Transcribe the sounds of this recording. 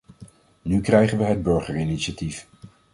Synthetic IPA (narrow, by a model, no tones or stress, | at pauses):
nykrɛjχənʋəɦəd̚bɵɹχəɹiniʃatif